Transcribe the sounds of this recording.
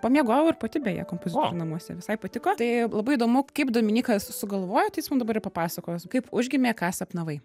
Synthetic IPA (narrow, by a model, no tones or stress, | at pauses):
pomʲiɛɡoːjɛʊɪɾpot̪ʲɪbʲejɛ̰kompoːzʲɪt̪oːɾʲʊnɐmuɔsʲɛ̰ʋʲɪsɐɪpɐt̪ʲɪkoːt̪ɐɪlˠɐbɐɪid̪oːmʊkɐɪpd̪oːmʲɪnʲiːkɐssʊɡɐlˠʋoːjot̪ɐɪjɪsmɐnd̪ɐbɐɾɪpɐpɑːsɐkoːjskɐɪpʊʒʲɡʲɪmʲeːkɑːsɐpnɐʋɐɪ